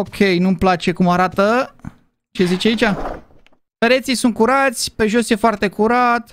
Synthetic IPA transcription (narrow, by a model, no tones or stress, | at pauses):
okʲʰe̞jnumplat͡ʃe̞kumaɾat̪ə | t͡ʃe̞zit͡ʃeait͡ʃa | peɾe̞t̪sijsunt̪̚kuɾat̪sʲpe̞ʒo̞sje̞foart̪e̞kuɾat̪